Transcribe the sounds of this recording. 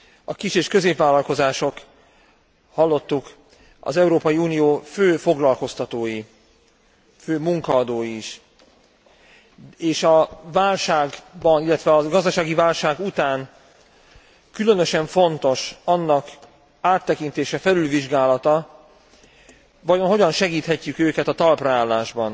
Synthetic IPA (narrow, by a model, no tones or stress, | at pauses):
ɒkiʃeːʃkø̞zeːpvaːlːɒlko̞zaːʃo̞k | hɒlːo̞t̪ːuk | ɒ̰zɛuɾoːpɒjiuːnijoːføːfo̞ɡlɒlko̞st̪ɒt̪oːji | føːmuŋkɒːd̪oːjiʃ | eːʃɒvaːlʃaːɡbɒnilːɛt̪ʋɛɒɡɒzd̪ɒʃaːɡivaːlʃaːɡut̪aːn | kylø̞nø̞ʃɛɱfo̞nt̪o̞ʃɒnːɒk | aːt̪ːɛkint̪eːʃɛfɛlylviʒɡaːlɒt̪ɒ | vɒjo̞nɦo̞ɟɒnʃɛɡiːt̪hɛcːykøːkɛt̪ɒt̪ɒlprɛaːlːaːʒbɒn